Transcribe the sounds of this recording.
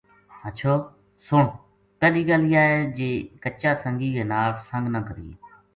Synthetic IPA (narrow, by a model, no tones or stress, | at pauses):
ətːt͡ʃʰoː | soːɳ | pɛːliːɡəliːaːeːd͡ʒeːkət͡ʃaːsəŋɡiːɡeːnaːlsə̃ŋɡnãːkəɾḭːḛː